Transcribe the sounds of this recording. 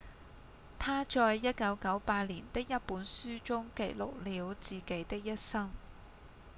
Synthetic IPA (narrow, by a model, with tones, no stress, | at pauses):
t̪ʰaː˥t͡ʃɔː˧jːɐ˥t̚kɐ˨˥wkɐ˨˥wpaː˧t̚liː˨˩nt̪ɪ˥k̚jɐ˥t̚puː˨˥nsyː˥t͡sʊ˥ŋkḛ˨˩jlʊ̰˨k̚liː˨˧˥wt͡siː˨˩ke˨˥jt̪ɪ˥k̚jɐ˥t̚sɐ˥ŋ